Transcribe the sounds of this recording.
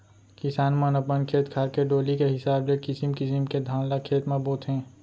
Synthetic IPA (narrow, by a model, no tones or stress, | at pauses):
kɪsaːnmanɐpənkʰeːt̪kʰaːɾkeɖoːlikeɦɪsaːblekɪsimkɪsimked̪ʱãːnlakʰeːt̪mãboːt̪ɦɛ̃ː